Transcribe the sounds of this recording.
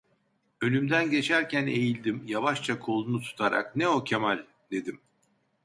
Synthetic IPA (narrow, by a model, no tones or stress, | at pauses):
ø̞nymd̪ænɟe̞t͡ʃʰæɾcʰæne̞jilʲd̪imjavaʃt͡ʃʰakʰo̞lˠunut̪ʰu̥t̪ʰaɾa̰knɛo̞cʰemalʲ | d̪e̞d̪im